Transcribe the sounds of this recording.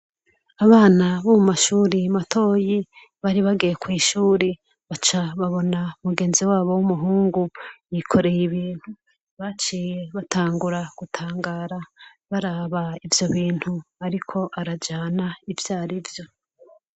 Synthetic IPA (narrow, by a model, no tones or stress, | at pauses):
aβaːnaβomumaʃuːɾimatʰo̞ːji | βaɾiβaɡijekwiːʃuːɾe | βat͡ʃaβaβo̞naumuɡeːnziwaːβo̞wumuɦuːŋɡujikʰo̞ɾe̞jiβiːn̥hu | βat͡ʃiːjeβatʰaːŋɡuɾaɡ̥utʰaːŋɡaːɾa | βaɾaβaivjo̞βiːn̥huaɾikʰo̞ʔaɾad͡ʒaːnaivjaːɾivjo̞